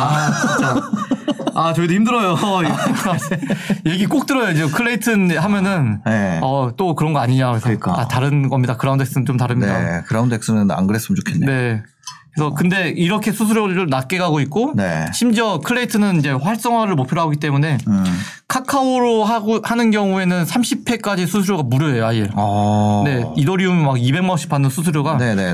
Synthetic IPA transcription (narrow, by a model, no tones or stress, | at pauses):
a | at͡ɕʌidimdɯɾʌjo | je̞ɡik͈ok̚t͈ɯɾʌjod͡ʑiokʰɯɭːe̞itʰɯnɦamjʌnɯnneʌt͈okɯɾʌnɡʌaɲiɲaesʰik͈aataɾɯnɡʌmɲidakɯɾaunde̞k̚s͈ɯnɯt͡ɕomtaɾɯmɲia̰kɯɾaunde̞k̚s͈ɯnɯna̰nɡɯɾes͈ɯmɯnt͡ɕokʰenene̞ | esʰʌkɯnde̞iɾʌkʰe̞sʰusʰuɾjoɾɯnat̚k͈e̞ɡaɡoit̚k͈oneɕʰimd͡ʑiʌkʰɯɭeitʰɯnɯnind͡ʑe̞ɸwaɭs͈ʌŋɦwaɾɯɭmopʰiɾoɦaɡoɡit͈e̞mune̞ | kʰakʰaoɾoɦaɡohanɯnɡjʌŋue̞nɯnsʰamɕʰipʰe̞k͈ad͡ʑisʰusʰuɾjoɡamuɾjʌejoajiɭʌne̞idʌɾiummaɡibe̞ŋmanoɕ͈ʰi̥p͈ʰanːɯnsʰusʰuɾjoɡanene